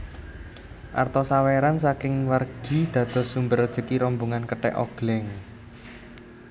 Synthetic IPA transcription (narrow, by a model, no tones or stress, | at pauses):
ʔa̰rt̪ɔsaweɾansakɪŋwarɡ̥i̤d̪̥ä̤d̪̥ɔ̤sumbərd̥ʒ̥ə̤kiɾɔmbuŋankəʈɛ̰ʔɔ̰ɡ̥lɛŋ